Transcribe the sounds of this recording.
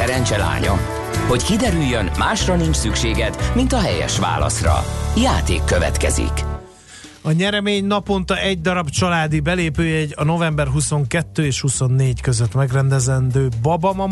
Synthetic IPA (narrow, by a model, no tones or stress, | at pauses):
ɛɾɛnt͡ʃɛla̰ːɲɒ̰ | ho̞ckid̪ɛɾyjːønmaːʃrɒnint͡ʃsykʃeːɡɛt̪mint̪ɒɦɛjɛ̰ʃʋa̰ːlɒ̰srɒ̰jaːt̪eːkːøvɛ̰t̪kɛ̰zḭk | ɒɲɛɾɛmeːɲnɒpo̞nt̪ɒʔɛɟd̪ɒɾɒbt͡ʃɒlaːd̪ibɛleːpøːjɛɟɒno̞vɛmbɛrɦuso̞ŋkɛt̪ːøːeːʃhuso̞nːeːckøzøt̪mɛɡrɛnd̪ɛzɛnd̪øːbɒbɒmɒ